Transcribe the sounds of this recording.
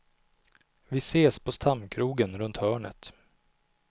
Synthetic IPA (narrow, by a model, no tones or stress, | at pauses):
vɪseːspʰɔst̪ʰamkʰɾuːɡənɾɵnt̪hœːɳə̰t̪